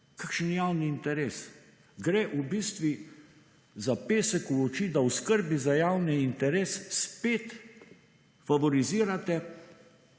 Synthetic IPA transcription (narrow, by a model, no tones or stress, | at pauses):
kakʃənjaːwniːnt̪ɛɾeːs | ɡɾɛʔubiːst̪ʋi | zapeːsɛkuɔt͡ʃid̪awskəɾbizajaːwnɛint̪ɛɾeːsːpeːt̪ | faʋɔɾiziːɾat̪ɛ